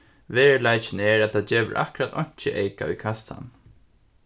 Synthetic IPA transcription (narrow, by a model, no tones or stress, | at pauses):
ʋeːɹlajt͡ʃɪnɛɹæt̪ʰat͡ʃeːʋə̰ɾʔa̰hkʊɾat̪ʰɔɲ̥t͡ʃəʔeɪka̰ṵjkʰasa̰n